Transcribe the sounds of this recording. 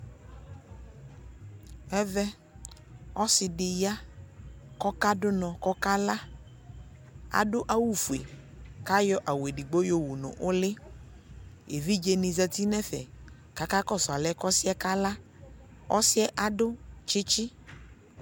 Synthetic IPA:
ɛ˦vɛ˦ | ɔ˦sɪ˨ɖɪ˨ja˦ | kɔ˦ka˦dʊ˦nɔ̃˨kɔ˦ka˦la˦ | a̰˨ɖʊ˦ʔa˦wu˦fu˨ḛ˨ | ka˦jɔ˦ʔa˨we˨ɖi˨ɡ͡bo˦jo˦wu˨nʊ̰̃˨ʔʊ˦lɪ˦ | ḛ˨vi˦d͡ʒe˨nĩ˨zɛ˨t̪i˦nɛ̃˦fɛ̰˨ | ka˨ka˦kɔ˦˨sɔ˨a˨lɛ˦kɔ˦si˦ɛ˦ka˦la˦ | ɔ˦sɪ˦ɛ˦ʔa˦ɖʊ˦t͡ʃɪ˦t͡ʃi˦

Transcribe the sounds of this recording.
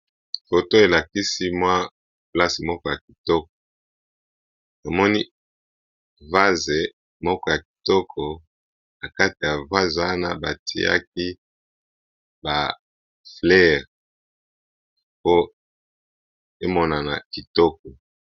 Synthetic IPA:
fo˨to˦e˨la˨ki˦si˦mwa˦ | pla˦si˨mɔ˦kɔ˦ja˨k̚i˨tɔ˦k̚ɔ̥˨ | to˨mɔ˦ni˦ | va˦ze˨ | mɔ˦kɔ˦ja˨ki̥˨tɔ˦kʰɔ˨ | na˨ka˦ti˨ja˨va˦za˦na̰˦ba˨tʰḭ˨a̰˦k̚i˦ | ba˨ | flɛ˦˨ʁ | po˦ | e˦mɔ˦na˨na˨ki˨tɔ˦k̚ɔ˨

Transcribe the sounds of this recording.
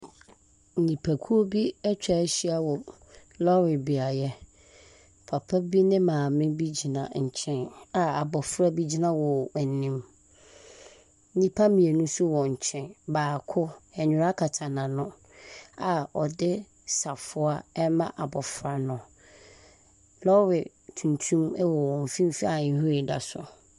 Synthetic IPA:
n̩˨ɲĩ˨pʰæ˨kʰu˦o˦bi˦ɛ˦t͡ɕᶣa˨˦ɕi˦a˨wɔ˨ | lɔ˦ɾɪ˨bi˨a˨jɛ˦ | pʰa˨pʰa˦bi˦nɪ̃˦mãː˨mɪ̃˦bi˦d͡ʑi˨nã˨ɲ̩˨t͡ɕʰɛ̃˦na˨a˨bɔ˨fɾa˦bi˦d͡ʑi˦nã˦wɔ˨æ˨nĩ˦m˦ | nĩ˦pʰa˦mĩ˨e˨nũ˦sʊ˦wɔ̃˨ɲ̩˨t͡ɕʰɛ̃˦nbaː˨kʰʊ˦ɛ˨ɲʊ̃˦ɾa˦kʰa˨tʰa˨nã˨nʊ̃˦ | a˨ɔ˨dɪ˦ | sa˨fʊ˦a˦ɛ˦mã˦ʔa˨bɔ˨fɾa˨nʊ̃˨ | lɔ˦wɪ˨ | tʰũ˨ntʰũ˦mɛ˦wɔ˨wɔ̃˨m̩˨fĩ˦m̩˦fi˦a˨˦ɦu˦ɪ˨da̰˨sʊ˨

